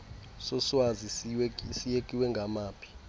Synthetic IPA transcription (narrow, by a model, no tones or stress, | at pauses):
sɔswazisweisijekʼiwɛŋɡʱamaːpʰi̥